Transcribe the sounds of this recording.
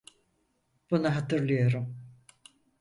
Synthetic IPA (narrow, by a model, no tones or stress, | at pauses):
b̥unaɦat̪ʰɯɾlˠɯjaɾɯm